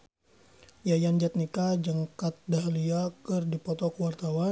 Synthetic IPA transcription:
jajand͡ʒat̪̚nikad͡ʒəŋkat̪̚daliakɨrdipɔt̪ɔkəwart̪awa

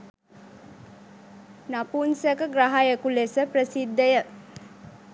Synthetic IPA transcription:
napunsəkəɡraɦajəkulesəprəsid̪ːəjə

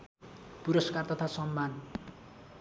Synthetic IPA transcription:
puɾʌskart̪ʌt̪ʰasʌmːan

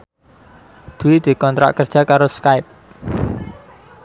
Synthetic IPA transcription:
d̪̥ṳwid̪̥i̤kɔnt̪ɾa̰ʔkərd̥ʒ̥äkaɾoskaɪp̚

